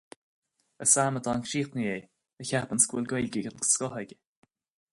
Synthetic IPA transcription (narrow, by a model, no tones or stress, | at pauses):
əsaːməd̪ʰɔːnkʃiːt̪nəjeː | əçapənskwɪlɡwelɡəɡənskɔɦəɡʲə